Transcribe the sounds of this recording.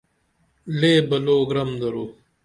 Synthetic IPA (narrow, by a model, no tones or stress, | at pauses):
leːbɐloːɡɾɐmd̪ɐɾoː